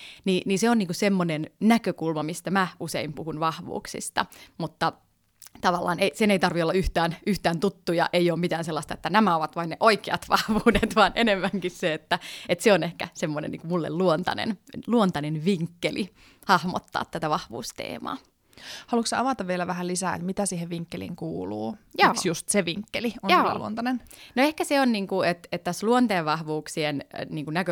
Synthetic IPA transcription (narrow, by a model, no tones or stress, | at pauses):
niːniseoniːŋkusemːonennækøkulmɑmist̪æmæusḛimpuhunʋɑhʋṵːksḭst̪ɑ̰mut̪ːɑ | t̪ɑʋɑlːɑ̰ːneiseneit̪ɑrʋiolːɑyht̪æːnyht̪æːnt̪ut̪ːujɑ̰ʔeijoːmmit̪æːnselːɑst̪ɑet̪ːænæmæoʋɑt̪ʋɑinneʔoikeɑ̰t̪ʋɑhʋuːdet̪ʋɑːnʔenemːæŋkisseet̪ːæet̪seonehkæ̰semːonḛnːiːŋkumulːḛlluont̪ɑ̰nḛnluont̪ɑnenʋiŋkːeli | hɑhmo̰t̪ːɑ̰ːt̪t̪ːæt̪æʋɑhʋṵːst̪ḛːmɑ̰ː | hɑlukseɑʋɑt̪ɑʋʋielæʋæhælisæːḛt̪mit̪æsiːheʋʋiŋkːelḭŋkuːlṵːjoksjust̪seʋiŋkːeliono̰lṵo̰nt̪ɑnennoehkæseonniːŋkuet̪et̪t̪æsluont̪eːʋʋɑhʋuːksienniːŋkunækø